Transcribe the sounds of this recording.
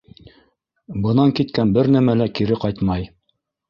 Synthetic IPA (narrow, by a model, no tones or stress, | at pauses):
bɤ̆nɑŋkit̪kænbɘɾnæmælækiɾɘqɑjt̪mɑj